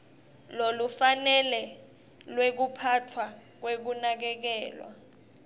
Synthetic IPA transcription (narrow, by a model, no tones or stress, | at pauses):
lolufanɛlɛ | lwek̬upʰatʰwak̬wek̬unak̬ɛk̬ɛːlwa̰